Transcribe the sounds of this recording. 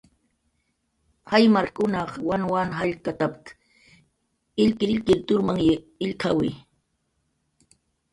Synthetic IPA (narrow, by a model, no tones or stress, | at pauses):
hajmaɾkʊnɑχwanwanɦaʎkat̪apɪ̥k | ɪʎkɪɾɪʎkɪɾt̪ʊɾmaŋ | ɪʎkʰa̰wɪ